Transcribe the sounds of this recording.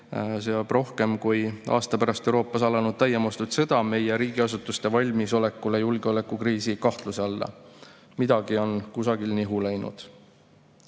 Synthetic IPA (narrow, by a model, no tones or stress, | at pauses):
s̬eɑb̥ro̞hke̞mkujʔɑ̰ːst̪ɑpæɾɑst̪e̞wɾo̞ːpːˑɑsɑlɑnud̪̥̚t̪æjːemost̪ut̪se̞d̪̥ɑme̞jeɾiːɡ̥iɑsut̪ːˑust̪e̞vɑlʲmiso̞le̞kːˑule̞julɡ̥eo̞le̞kːˑukriːsikɑht̪luse̞ɑlːɑ̰ | mid̪̥ɑɡ̥io̞nkusɑɡilniɦulæjnṵd̪̥